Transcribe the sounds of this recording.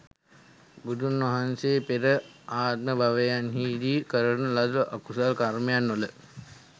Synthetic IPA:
bud̪ʱunʋɐɦanseːpeɾəaːt̪̚məbʱaʋejanhiːd̪iːkəɾənəlad̪uʔakusalkarmejanʋolə

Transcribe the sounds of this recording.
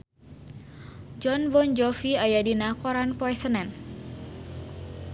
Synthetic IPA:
d͡ʒɔnbɔnd͡ʒɔfiajadinakɔɾanpɔɛsənɛn

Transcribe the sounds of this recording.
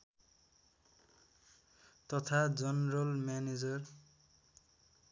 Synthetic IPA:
t̪ʌt̪ʰad͡zʌnɾʌlmaned͡zʌr

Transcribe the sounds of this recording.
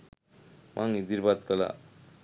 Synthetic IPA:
mʔaŋid̪iɾbad̪kəla̰

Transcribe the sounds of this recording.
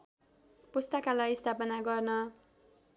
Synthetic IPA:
pust̪ʌkalajst̪ʰapʌnaɡʌrnʌ

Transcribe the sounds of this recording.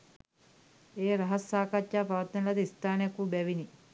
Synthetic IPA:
eːɾɐɦɐsːaːkɐt͡ʃːaːpɐʋɐt̪nɐnɐlɐt̪ist̪aːnjɐkubɛʋini

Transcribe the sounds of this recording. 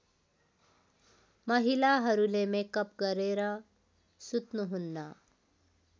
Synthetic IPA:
məɦilaɦəɾulemekəp̚ɡəɾeɾa | sut̪nuɦunːa

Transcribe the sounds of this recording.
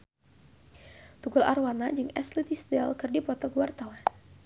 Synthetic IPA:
t̪uɡula̰rwanad͡ʒɨŋɛ̰slit̪isdɛlkɨrdipɔt̪ɔɡuwart̪awan

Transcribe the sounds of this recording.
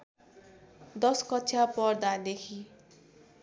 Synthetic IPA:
d̪ʌskʌtːsʰjapʌrd̪ad̪ekʰi

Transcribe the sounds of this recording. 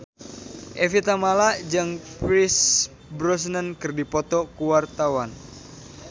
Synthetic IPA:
ʔefit̪amalad͡ʒɨŋpɾis | bɾɔs̬nənkɨrdipɔt̪ɔkuwart̪awan

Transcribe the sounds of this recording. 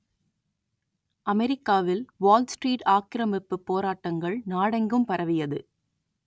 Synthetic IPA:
ʔɐmɛɾɪkːaːʋɪlʋoːlsʈɾiːʈaːkɪɾɐmɪpːɯpːoːɾaːʈːɐŋɡɐɭnaːɽɐŋɡɯmpɐɾɐʋɪjɐðɯ

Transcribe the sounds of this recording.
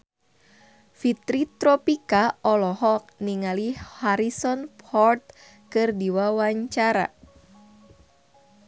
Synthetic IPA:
fit̪ɾit̪ɾɔpikaɔlɔɦɔk̚niŋalihaɾisɔnpɔrt̪̚ | kɨrdiwawaɲt͡ʃaɾa̰

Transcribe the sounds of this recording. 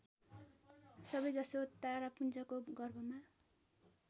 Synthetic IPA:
sʌbʌjd͡zʌsot̪aɾapunt͡sʌkoɡʌrbʌma

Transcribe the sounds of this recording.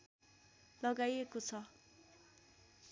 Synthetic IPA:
lʌɡajekot͡sʰʌ

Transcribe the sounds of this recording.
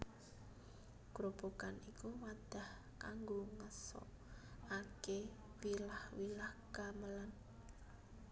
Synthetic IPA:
ɡ̥ɾob̥okanikuwad̪̥a̤h | kaŋɡoŋəsɔ̰ | ake | wilahwilahɡ̥aməlan

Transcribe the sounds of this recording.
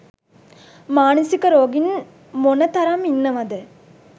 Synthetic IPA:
maːnəsikəɾoːɡin | monət̪ɐɾɐminːəʋɐd̪ə

